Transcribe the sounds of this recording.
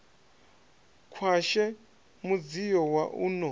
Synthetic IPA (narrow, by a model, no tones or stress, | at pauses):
kʰwaʃɛ | mud͡zijɔwaʔunɔ